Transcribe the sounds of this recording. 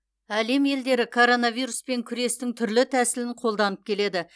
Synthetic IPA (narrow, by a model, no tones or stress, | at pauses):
æle̞mje̞ld̪e̞ɾɪkʰo̞ɾo̞navijɾuspe̞ŋkʲʰʏɾe̞st̪ɪŋt̪ʰʏɾlɪt̪ʰæsɪlɪɴqʰo̞lˠd̪ɑnəp̚kʲʰe̞le̞d̪ɪ